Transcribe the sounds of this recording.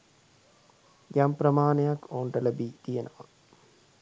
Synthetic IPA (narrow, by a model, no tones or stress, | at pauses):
jampɾɐmaːnejakoːɳʈɐlɐbit̪ijɐnʔɐʋɐ